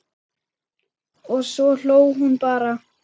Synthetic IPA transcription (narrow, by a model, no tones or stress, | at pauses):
ɔsɔl̥oːwɦunpaːɾa